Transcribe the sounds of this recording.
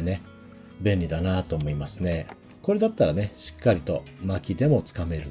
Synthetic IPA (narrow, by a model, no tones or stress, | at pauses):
ne̞ | bẽ̞nʲɾʲid̪anat̪o̞ːmo̞imasɨne̞ | ko̞ɾe̞d̪at̪ːaɾane̞ɕi̥kːaɾʲit̪o̞̰makʲid̪e̞mo̞t͡sɨ̥kame̞ɾɯ̟